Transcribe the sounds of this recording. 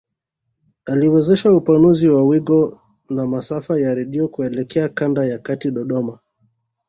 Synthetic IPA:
aliwɛzɛʃaupanuziwawiɠɔ | namasafajaɾɛɗiɔkuɛlɛkɛakandajakatiɗɔɗɔma

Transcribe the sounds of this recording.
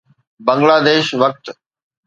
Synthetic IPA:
bɐ̃ŋɡlaːd̪eːʃʋɐk̚t̪

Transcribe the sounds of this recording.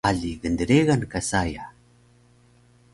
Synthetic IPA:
aɮiɣəndəɾeɣankasaja

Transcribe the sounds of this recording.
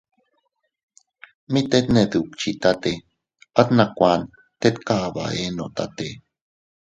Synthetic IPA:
mit̪et̪neðukt͡ʃit̪at̪e | at̪nakʷan | t̪et̪kaʔβa̰enot̪at̪e

